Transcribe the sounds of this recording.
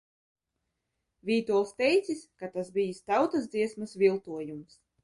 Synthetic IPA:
vʲiːt̪uɔlˠst̪ɛjt̪siskat̪asbijist̪awt̪azd̪ziɛsmasvʲilˠt̪uɔjums

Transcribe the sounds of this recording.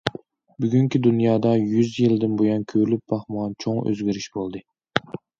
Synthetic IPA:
byɡʲyŋkʲid̪unjɑːd̪ɑjyzjild̪ɪnbojɑnkʲʰølyp̚b̥ɑχməʁɑnt͡ʃʰoŋø̰zɡʲiɾiʃbolˠd̪ɨ

